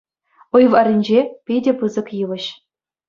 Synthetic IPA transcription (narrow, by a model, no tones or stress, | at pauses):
ujʋɑrʲinʲd͡ʑepʲedʲepɯzɤ̆kjɯlˠɘ̆ɕ